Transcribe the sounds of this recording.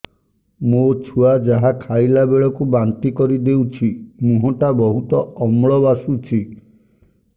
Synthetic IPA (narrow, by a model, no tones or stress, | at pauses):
mot͡ʃʰuad͡ʒaɦakʰajlabeɭɔkubant̪ikɔɾid̪ewt͡ʃʰimũɦɔʈabɔɦut̪ɔɔmɭɔbasut͡ʃʰi